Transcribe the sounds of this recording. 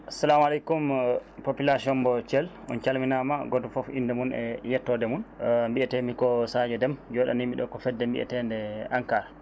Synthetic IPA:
asalamalɛkumpopilasiɔmbɔt͡ʃɛl | ɔ̰nt͡ʃalminamaɡɔtɔfɔfḭndɛmunɛ̰jɛtːɔdɛmunmbiɛtɛmikɔsad͡ʒɛdɛmd͡ʒɔɗa̰nimiɗɔkɔfɛdːɛmbḭʔɛ̰tɛndɛaŋkaːɾa

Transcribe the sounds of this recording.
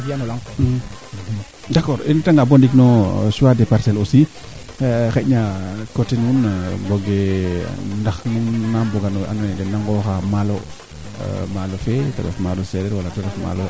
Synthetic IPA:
bianɔlaŋ | dakːɔɾintaŋɡabɔndiknɔsuwadɛpaɾsɛlosi | xɛɲakɔtinunbɔɡɛ | ndaxnuŋnambɔɡanɔʔa̰nɔnɛdɛnaŋɡɔxamalɔ̰ | malɔfɛtaɾɛ̰fmalɔsɛɾɛɾwalatɛɾɛfma̰lɔ

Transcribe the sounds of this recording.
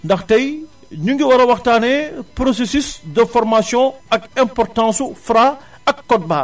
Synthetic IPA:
ndɐxtɐj | ɲuŋɡiwɐɾɐwɐxtaːnɛpɾosesysdəfɔɾmasjɔ̃ɐk̚ɛ̃mpɔrtãːsufɾa | ɐkːɔt̚baː

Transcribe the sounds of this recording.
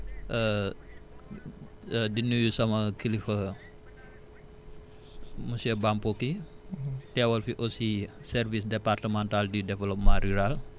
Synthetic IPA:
ʔə | dinujusaməkilifə | musiəbampoki | tiawəlfiʔosisərvisdepart̪əmant̪aldidevəlɔp̚maɾiɾal

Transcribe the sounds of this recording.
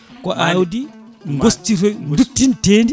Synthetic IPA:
kɔʔawdi | ŋɡostːiɾɔndutːinteːndi

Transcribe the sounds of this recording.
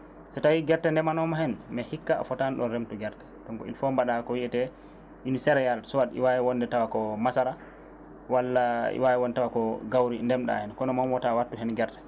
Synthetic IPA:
sɔtawiɡɛɾtɛndɛmanɔmahɛnmɛhikːa̰ːfɔtanɗɔnɾemtuɡɛɾtɛ̥tɔŋkɔḭlfɔmbaɗakɔwiɛtɛ | ʔinisɛɾɛjalsɔwadḭwajɛwɔnːdɛtawakɔmasaɾa | walːaḭwajɛwɔndɛtawakɔɡawɾindɛmɗa̰hɛnkɔnɔmamwɔtawatːuɦɛnɡɛɾtɛ̥

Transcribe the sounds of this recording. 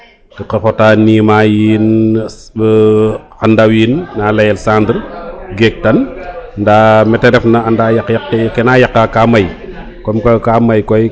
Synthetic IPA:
tikɐxɔtaːniːmajiːn | andawiːnːalɐjɛlsandɾɡɛk̚tɐnndamɛtːɛɾɛfnɐandajakjakːkɛnajɐkːakamɐj | kɔmkkamɐjkɔj

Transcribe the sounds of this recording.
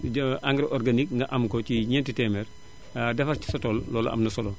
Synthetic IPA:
ʔaŋɡɾɛʔɔɾɡanikŋɡɐʔɐmkociɲɛntitɛmɛɾ | dɐfɐɾci̥sɔtɔllɔːlɐ̰ʔɐ̰mnɐsɔlɔ

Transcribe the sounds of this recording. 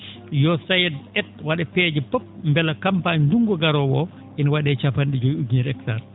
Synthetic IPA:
jɔsajɛdɛt̚waɗɛpɛd͡ʒɛpop̚mbɛlakampaɲnduŋɡɔɡaɾɔwɔ | ʔinawaɗɛt͡ʃafanɗid͡ʒojuɡniɾɛktaɾ

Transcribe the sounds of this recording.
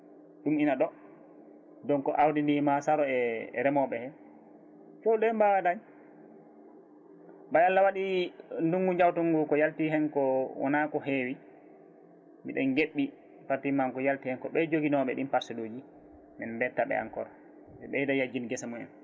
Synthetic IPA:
ɗuminaɗɔ | dɔnkɔʔawdindimasaɾɔɛ̰ɾɛmɔɓɛhɛ | t͡ʃɔwɗɔɛmbawadaɲ | bajalːawaɗinduŋɡuɲd͡ʒawtuŋɡukɔjaltiɦɛnkɔwɔ̰nakɔɦewi | miɗɛnɡeɓːi | patimankɔjaltihɛnkɔɓɛd͡ʒoɡinɔɓɛɗimpaɾsɛdoːd͡ʒi | mɛnbɛtːaɓɛ̰a̰ŋkɔ̰ɾa | dɛɓɛjdajad͡ʒinɡɛsamuɛ̰n

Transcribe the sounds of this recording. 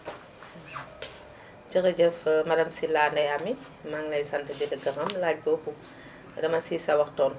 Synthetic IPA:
t͡ʃɐxɐɟɛfmɐdɐmsilaːndɐjɐmːi | maŋlɐjsɐntɐɟɛdɐɡɐxɐmlaːc̚bɔbu | dɐmɐsisɐwɐxtɔːn

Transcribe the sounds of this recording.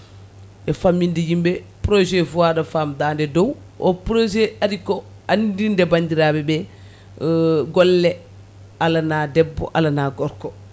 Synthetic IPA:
ʔɛfamːindijimbɛpɾod͡ʒɛfuadafaːmdaːndɛdɔw | ʔɔ̰pɾod͡ʒɛaɾikɔ | andindɛbaɲd͡ʒiɾabɛbɛ | ɡɔlːɛ | alanaːdɛbːɔ̰ʔalanaɡɔɾkɔ

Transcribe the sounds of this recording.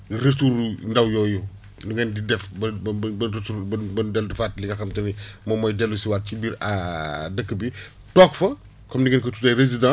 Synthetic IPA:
ɡɾetuɾndɐwjɔːju | duŋɛndidɛfbɐbɐɾetuɐbɐdɛldɛfatːliŋɐxɐmtɐnimɔmɔjdɛlːusiwaːt̚cibiːɾa̰dəkːəbi | tɔːkfɐ | kɔmdiŋɛnkɐtutɐjrezidã

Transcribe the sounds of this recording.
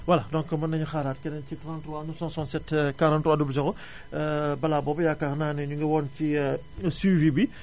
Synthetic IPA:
wɐlɐdɔ̃ŋkɐmɐnɐɲuxaːɾaːt̚kɛnɐncikɐɾãntruwaːnusɔnsɔnsɛtkaɾãntrwaːdubd͡ʒɐɡɔ | bɐlaːbɔːbɐjaːkaxnaːnɛɲuŋɡɐwɔːnci | siːvibi

